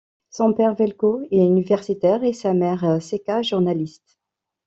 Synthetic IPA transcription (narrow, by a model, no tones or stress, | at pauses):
sɔ̃pɛʁvɛlkoɛynivɛʁsit̪ɛʁesamɛʁsekaʒuʁnalist̪